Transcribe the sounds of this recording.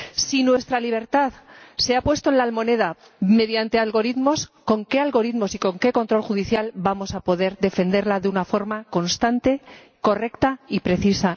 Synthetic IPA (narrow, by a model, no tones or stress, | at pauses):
sinwe̞st̪ɾaliβ̞e̞ɾt̪aðse̞apwe̞st̪oenlaːlmo̞ne̞ð̞a | me̞ðjant̪e̞alɣo̞ɾiðmo̞sko̞ŋke̞alɣo̞ɾiðmo̞siko̞ŋke̞ko̞nt̪ɾo̞lxuðiθjalbamo̞sapo̞ðe̞ɾðe̞fe̞nd̪e̞ɾlaðeunafo̞ɾmako̞nst̪ant̪e̞ | ko̞re̞kt̪aipɾe̞θisa